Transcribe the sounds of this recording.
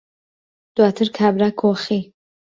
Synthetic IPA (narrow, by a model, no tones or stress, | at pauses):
d̪̥wat̪ʰəɾkʰaːbɾakʰoxi